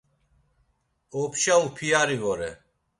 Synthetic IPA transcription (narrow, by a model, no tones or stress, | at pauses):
ɔpʰʃaupʰiaɾivɔɾɛ̰